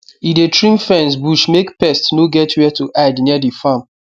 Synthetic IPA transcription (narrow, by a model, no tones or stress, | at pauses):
idetʰɹĩmfɛ̃nsbuʃmekpɛstnoɡɛtwɛtuʔadniədifãm